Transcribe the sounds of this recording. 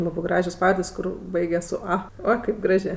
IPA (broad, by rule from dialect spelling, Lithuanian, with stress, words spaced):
ˈlˠɑːbɜ ˈɡrɑːʒʲoːs ˈpɑːʋɐrʲdʲeːsʲ ˈkʊr ˈbɐɪɡʲɛs sʊ ˈɐ ˈoː kɐɪp ˈɡrɑːʒʲeː